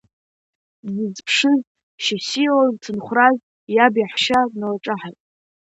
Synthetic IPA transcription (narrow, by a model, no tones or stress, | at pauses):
zɨzpʰʂɨz | ʃasilaztʰɨnχʷraz | jabjaħʃanalaʈ͡ʂʼaħatʼ